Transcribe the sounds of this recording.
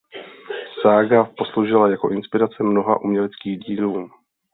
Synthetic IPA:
saːɡapo̞slowʒɪlajako̞ʔɪnspɪɾat͡sɛmno̞ɦa̰ʔumɲɛlɛt͡skiːɣɟiːluː

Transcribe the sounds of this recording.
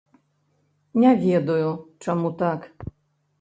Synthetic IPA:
ɲavʲjɛd̪ɔjɔt͡ʂɛmut̪ak

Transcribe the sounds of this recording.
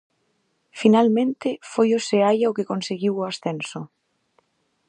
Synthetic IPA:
finalmẽnt̪ɪfojoseajaokekonseɣiwoasθensʊ

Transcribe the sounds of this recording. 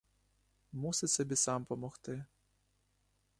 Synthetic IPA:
musɪtʲsɔbʲisɑmpɔmɔxt̪ɪ

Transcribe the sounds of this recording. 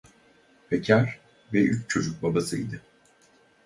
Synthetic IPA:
pʰɛcʰæɾ̥ | vɛyt͡ʃt͡ʃʰo̞d͡ʒuk̚babasɯid̪ɪ

